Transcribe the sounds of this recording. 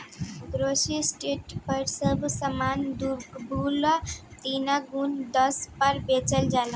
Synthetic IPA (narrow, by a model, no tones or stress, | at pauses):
ɡɾosisʈeʈpəɾsəbsəmand̪ubulat̪inaɡund̪ʌspʌɾbet͡səld͡ʒalã